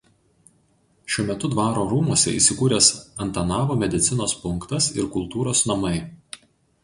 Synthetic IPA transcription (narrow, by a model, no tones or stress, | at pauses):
ʃʲuɔmʲɛt̪ʊd̪ʋɑːɾoːɾuːmuɔsʲɛ̰ḭˑsʲɪkuːɾʲeːsɐnt̪ɐnɑːʋoːmʲɛd̪ʲɪt̪sʲɪnoːspʊŋkt̪ɐsɪɾkʊlˠˑt̪uːɾoːsnɐmɐɪ